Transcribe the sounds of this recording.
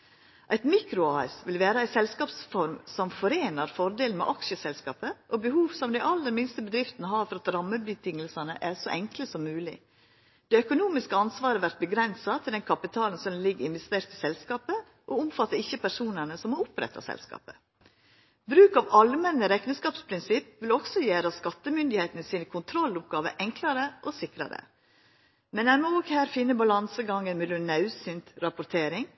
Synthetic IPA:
ʔæɪt̪miːkɾʊɑːɛsʋɪlʋæːɾəæɪsɛlskɑːpsfɔɾmsɔmfɔɾeːnɑɾfɔɾd̪eːln̩mɛ̰ʔɑkʃəsɛlskɑ̰ːpəʔɔbəhuːʋsɔmd̪æɪʔɑlːəɾmɪnst̪əbəd̪ɾɪft̪nəɦɑːɾfɔɾɑt̪ɾɑmːəbət̪ʰɪŋːəlsɑnə̰ʔæʂɔʔɛŋkləsɔmːʉːlɪ̰ | d̪̥eːœkʊnuːmɪskəɑnsʋɑːɾəʋæɾt̪̚bəɡɾɛnsɑt̪ʰɪld̪ɛnkʰɑpɪt̪ʰɑːln̩sɔnlɪɡɪnʋɛst̪eːɾt̪əsɛlskɑːpə | ʔɔʊmfɑt̪ːəɪçːəpʰæʂuːnənəsɔmɔʊpɾɛ̰t̪ːɑ̰sɛ̰lskɑ̰ːpə̥ | bɾʉːkɑʋɑlmɛnəɾɛknəskɑːpspʰɾɪnsɪpʋɪlɔksɔjæːɾɑskɑt̪ːəmʏnd̪ɪheɪt̪ənəsiːnəkʰʊnt̪ʰɾɔlʊp̚ɡɑːʋə̰ʔɛŋklɑɾəʔɔsɪkɾɑ̰ɾə̰ | mɛnænmɔoːɡhæːɾfɪnːəbɑlɑnsəɡɑŋːənmɛlʉnnːɑʉsynt̪ɾɑpʊɾt̪ʰeːɾɪŋ

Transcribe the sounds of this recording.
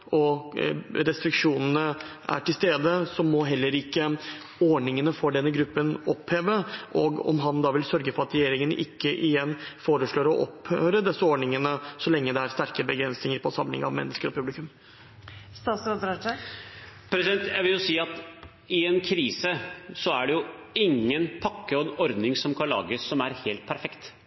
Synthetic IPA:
ɔ | ɾɛst̪ɾɪkʂuːnən̩ə | æ̰ʈɪlst̪eːd̪əsɔmɔɦɛlːəɾɪkːə | ɔɳɪŋənəfɔɖɛnːəɡɾʉpːənɔpheːʋəʔɔ̰ɡɔ̰mɦɑnd̪ɑːʋɪlsœɾɡəfɔɾɑt̪ɾɛjeːɾɪŋənʔɪ̰kːəʔɪjɛnːfoːɾəʂɭoːɾɔʔɔ̰phøːɾəd̪ɛsːəɔːɳɪŋənəsɔlɛŋːəd̪ɛæɾst̪æɾkəbəɡɾɛnsnɪŋəɾpʰɔsɑmlɪ̰ŋɑ̰ʋmɛ̰nːəskəɾɔpʰʉblɪkʉm | st̪ɑːt̪sɾɔd̪əɾɑə | pʰɾɛsɪɛnt̪jæɪʋɪljʊsiːɑt̪ | ɪɛnkʰɾiːsəsɔæɖɛjʊɪŋːənpʰɑkːəɔɛnɔɾd̪nɪŋsɔmkʰɑnlɑ̰ːɡəsɔmæɾheːlt̪̚pʰæɾfɛkt̪

